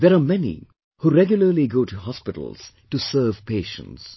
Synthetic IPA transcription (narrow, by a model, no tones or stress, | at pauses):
d̪ɛɾamɛnḭ | huɾɛɡjʊləliɡoːʈuɦɔspɪɾə̰l̩z̥ | ʈusəːvpeːʃə̰̃nts